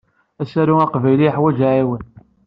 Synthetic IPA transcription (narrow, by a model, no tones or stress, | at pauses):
æsæɾuæqvæjliəħwæd͡ʒʕiwən